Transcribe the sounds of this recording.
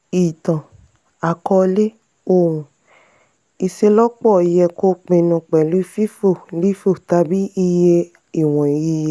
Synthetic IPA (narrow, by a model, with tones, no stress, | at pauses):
i˨tã˨ | a˨kɔ˧le˦ | o˧˨wũ˨ | i˧ʃe˧lɔ˦k͡pɔ˦˨i˧jɛ˧ko˦k͡pẽ˧nũ˧k͡pɛ˨lu˦i˦˧˦fi˦fo˦˨li˦fo˦˨ta˧bi˦i˧je˧ | i˨w̃ɔ̃˨ji˧je˧˨